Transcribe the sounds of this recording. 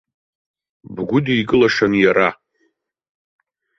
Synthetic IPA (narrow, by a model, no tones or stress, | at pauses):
bɡʷʊdiːɡɨlaʂanjaɾa